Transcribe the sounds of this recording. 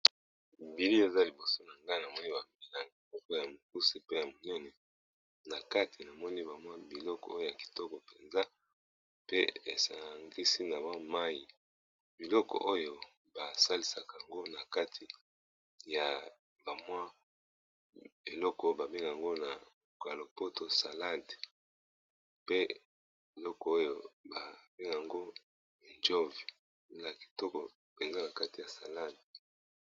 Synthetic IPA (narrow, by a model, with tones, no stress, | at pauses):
bi˨li˦e˨za˦li˨bo˨so˦na˨ŋɡa˦˨na˨mɔ˦ni˦ba˨mi˦na˨ŋi˨ɔ˦kɔ˦ja˨mo˨ku˦si˦pe˦ja˨mo˨nɛ˦nɛ˨ | na˨ka˦tʰi˨na˨mɔ˦ni˦ba˨mwa˦bi˨lɔ˦kɔ̰˨o˦jo˦˨ja˨ki̥˨tɔ˦kɔ˨pe˨nza˦ | pe˦e˨sa˨ŋɡi˦si˦na˨wa˦ma˦ji˨ | b̥i˨lɔ˦kɔ̰˨ʔo˦jo˨ | ba˨sa˦li˦sa˨ka˨ŋɡo˦na˨ka˦tʰi˨ | ja˨ | ba˨mwa˦ | e˨lɔ˦ko˦ba˨be˦ŋɡa˨ŋɡo˦na˨ | ka˨lo˨po˦to˨sa˨la˦˨nd | pe˦ | bi˨lɔ˦kɔ˨o˦jo˨ba˨be˦ŋ˨a˨ŋɡo˦˨ | nd͡ʒo˦vi˨˦ | la˨ki̥˨tɔ˦kɔ˨ | b̥e˨ŋɡa˦na˨ka˦ti˨ja˨sa˨la˦˨nd